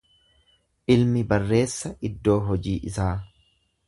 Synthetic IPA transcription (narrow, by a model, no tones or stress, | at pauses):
ʔɪlmɪbɐrːe̞ːsːɐʔɪd̪ːo̞ːɦɔd͡ʒiːʔɪsaː